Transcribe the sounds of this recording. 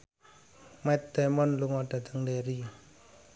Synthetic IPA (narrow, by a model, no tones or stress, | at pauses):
mɛt̪̚ːɛmɔnluŋɔɖ̥a̤t̪əŋdeɾi